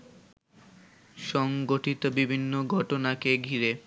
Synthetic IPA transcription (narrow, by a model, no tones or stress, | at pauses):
ʃɔŋɡoʈit̪obibʱinːoɡʱɔʈonakeɡʱiɾe